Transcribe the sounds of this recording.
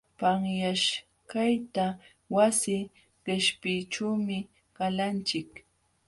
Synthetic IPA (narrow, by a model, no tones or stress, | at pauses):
paŋjaʃ | kajt̪a | wasɪ | ɢɪʃpɪʈ͡ʂuːmɪ | ɢalant͡ʃɪk